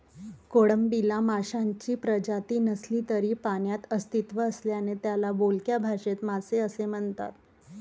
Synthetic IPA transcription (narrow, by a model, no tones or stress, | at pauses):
koɽəmbilamaɕaɲt͡ɕiːpɾəd͡ʑat̪iːnəsliːt̪əɾiːpaɳjat̪əst̪it̪ʋəəsljanet̪jalabolkjabʱaɕet̪maseəsem̤əɳt̪a̰t̪